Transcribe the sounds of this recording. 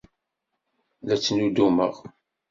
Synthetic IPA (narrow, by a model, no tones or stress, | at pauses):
ðæt͡sːnud̪umə̰ʁ